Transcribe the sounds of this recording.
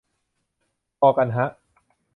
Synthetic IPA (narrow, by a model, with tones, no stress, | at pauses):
pɔː˧ka˧nɦa˦˥ʔ